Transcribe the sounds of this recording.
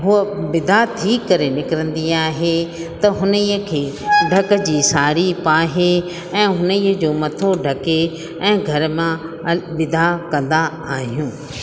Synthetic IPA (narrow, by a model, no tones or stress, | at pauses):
ɦʊəbɪd̪ʱat̪ʰiːkːɐɾenɪkɪɾə̃nd̪iaːɦet̪ɐɦʊnəiːəkʰeːɖʱɐkə̆d͡ʑiːsaːɾipaːɦe | ɛ̃ːɦʊnəiːəd͡ʑoːmɐt̪ʰoɖʱɐke | ɛ̃ːɡʱɐɾmã | ʋɪd̪ʱakɐ̃nd̪a | aːɦijũː